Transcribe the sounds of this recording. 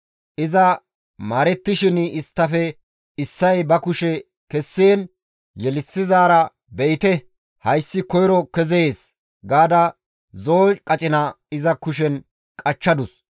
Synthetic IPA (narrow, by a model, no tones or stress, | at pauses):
ʔɪzɐ | maːɾɛt̪ːɪʃɪnɪst̪ːɐfɛ | ɪsːɐjbɐkʊʃɛ | kɛsːeːn | jɛlɪsːɪzaːɾɐ | bɛjɪt̪ɛ | hɐjsːɪkɔjɾɔkɛzeeːs | ɡaːd̪ɐ | zoːt͡ʃkʼɐt͡ʃʼɪnɐ | ɪzɐkʊʃɛn | kʼɐt͡ʃːɐd̪ʊs